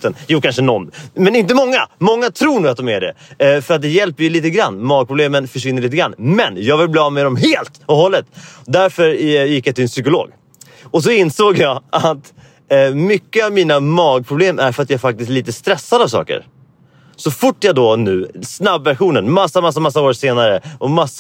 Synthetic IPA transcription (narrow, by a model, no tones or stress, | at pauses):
t̪ənjuːkʰanʂənɔnmɛnɪnt̪̬əmɔŋːamɔŋːat̪ʰɾuːɾɳuːat̪̚d̪ɔmæɖɛ̰fœɾat̪̚d̪ɛjɛlpəɾjɵliːt̪əɡɾa̰nːmɑːɡ̚pʰɾʊbleːmənfœʂvɪnːəɭiːt̪əɡɾa̰nːmɛnjɑːɡvɪlblɑːmɛɾɔmɦeːlt̪ɔhɔlːət̪d̪æɾfœɾjɪkːjat̪ʰɪlɛnsʏkʊlo̰ːɡ | ɔs̬ɔɪnsoːɡjɑat̪ | mʏkːəavmiːnamɑːɡ̚pʰɾʊbleːmæ̰ɾfœɾat̪jaæɾfak̚t̪ɪst̪liːt̪əst̪ɾɛsːad̪avsɑ̰ːkə̰ɾ | sɔfʊʈːjad̪ɔnʉ̟ːsnabːæɾɧuːnənmasːamas̬ːamas̬ːaoːɾseːnaɾəɔmas